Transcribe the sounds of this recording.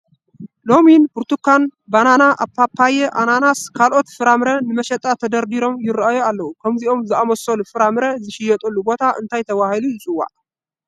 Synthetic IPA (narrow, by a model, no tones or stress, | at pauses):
lo̞minbuɾt̪ʰukːanbananaʔa̰pːapʰːajɛʔananaskʰalʔo̞t̪fɨɾamɾɐnɨmɐʃɛt̪ʼat̪ʰɐd̪ɐɾd̪iɾo̞mjɪɾajoalːɐwukʰɐmziʔo̞mzɨʔamɐsolufɨɾamɾɐzɨʃɪjɛt̪ʼɐlːubo̞t̪ʰaʔɨ̰nt̪ʰajt̪ʰɐβahilujɪt͡sʼɨwːa̰ʔ